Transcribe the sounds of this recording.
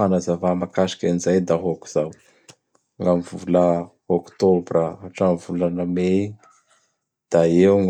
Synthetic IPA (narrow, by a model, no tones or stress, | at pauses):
anazavamakaʃi̥kʲanzajd̪aɦoku̥z̥aw | ŋamivulə | okt̪obrəaʈ͡ʂamivulanəme | d̪̥aeŋ